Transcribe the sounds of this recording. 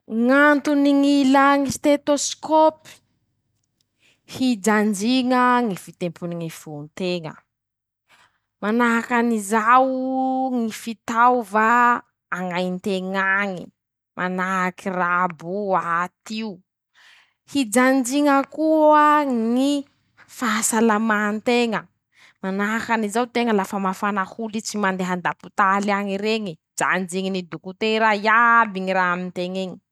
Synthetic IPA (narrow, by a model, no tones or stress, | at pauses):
ŋant̪uniŋilaŋist̪et̪oskopi̥ | hid͡ʒand͡ʒiŋəŋifit̪empuniŋifunt̪eŋə̰ | manaɦakanizawŋifit̪awvaː | ŋajnt̪eŋaŋi | mʔanaɦakirabuat̪iu | hid͡ʒand͡ʒiŋəkuəŋi | faasalamant̪eŋə | manakanizawt̪eŋəlafəmafanahulit͡simand̪eɦand̪aput̪alaŋiɾeŋi | d͡ʒa̰nd͡ʒiŋinid̪ukut̪eɾajabiŋiɾaɦamint̪eŋeɲi̥